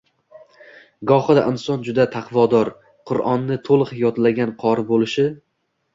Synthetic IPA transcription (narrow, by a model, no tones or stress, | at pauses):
ɡɒχɨd̪a̰ʔɪnsɒnd͡ʒʊd̪at̪ʰɑqʰvɒd̪ɒɾ | qʰʊɾʔɒnːɪt̪ʰolˠɨqjɒt̪laɡʲanqʰɒɾɪbolˠɪʃɪ